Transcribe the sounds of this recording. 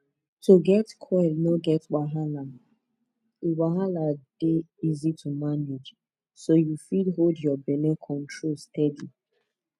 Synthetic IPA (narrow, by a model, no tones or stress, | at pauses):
toɡɛtkʰwɛlnoɡɛtwaɦala | iwaɦalad̥eizitʰumaned͡ʒ | sojufidɦoldjɔbɛlɛkʰɔ̃ntɹolstɛdi